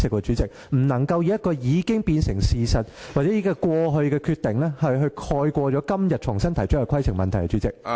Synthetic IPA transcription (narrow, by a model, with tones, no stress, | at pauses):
sɪ˨˩kwɔː˧t͡ʃyː˨˥t͡sɪ˨˩k̚ | m̩˨˩nɐ˨˩ŋkɐ˧wjiː˨˥jɐ˥t̚kːɔː˧jiː˨˧kɪ˥ŋpiː˧nsɪ˨˩ŋsiː˨sɐ˨t̚waː˨tt͡sɛː˨˥jiː˨˥kːɔ˧kwɔː˧ɦɵ˧ɥkɛː˧kʰyː˧t̪ɪ˨ŋlɛː˥hɐ˨˩jɦɵ˧kʰɔː˧jkʷɔː˧t͡ʃɔː˨˥kɐ˥mjɐ˨t̚t͡ʃʰʊ˨˩ŋsɐ˥nt̪ʰɐ˨˩jt͡ʃʊ˥ɐ˨jkʰɐ˥jsʰɪ˨˩ŋmɐ˨nt̪ʰɐ˨˩jkɛ˧t͡ʃy˨˥t͡sɪ̰˨k̚